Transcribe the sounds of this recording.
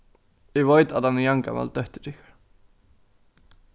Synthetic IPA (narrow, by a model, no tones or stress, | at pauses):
ɪvojt̪aðhanːɪjaŋka̰ma̰lt̪œht̪ɪ̥t̪ɪhkḁɾ̥